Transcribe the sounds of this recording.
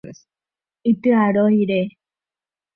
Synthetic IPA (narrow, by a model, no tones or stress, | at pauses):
it̪ɨaɾoiɾe